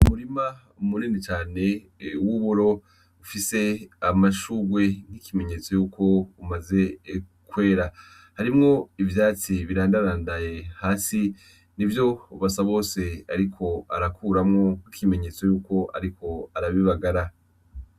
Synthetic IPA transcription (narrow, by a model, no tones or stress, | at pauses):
umuɾima | umuninit͡ʃaːne̞ | uwuβuɾo̞ | ufise̞amaʃuɡwe̞ŋ̥hikime̞ɲe̞ːt͡so̞juːkʰo̞umaze̞kwe̞ːɾa | haɾimŋo̞ivjaːt͡siβiɾaːndaɾaːndaje̞haːsi | nivjo̞uβasaβo̞ːse̞aɾikʰo̞a̰ɾakʰuːɾamŋo̞kikʰime̞ɲe̞ːt͡so̞juːko̞ʔa̰ɾikʰo̞aɾaβiβaɡaɾa